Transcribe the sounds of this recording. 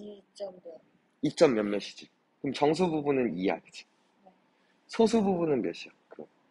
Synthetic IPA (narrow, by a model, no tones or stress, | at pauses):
it͡ɕ͈ʌmːjʌnmeɕʰi̥d͡ʑi | kɯɯmt͡ɕʌŋs̬ʰububunɯnia̰did͡ʑi̥ | sʰosʰububunɯnbjeɕʰiakɯɾʌn